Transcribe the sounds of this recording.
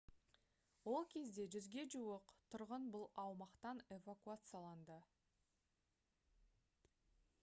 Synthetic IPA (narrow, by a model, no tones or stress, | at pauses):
wo̞lˠkʲʰe̞zd̪e̞ʒʏzɡʲe̞ʒuəqt̪ʰʊɾʁənbʊlˠɑwmɑqt̪ɑne̞vakuat̪sɨjɑlˠɑnd̪ə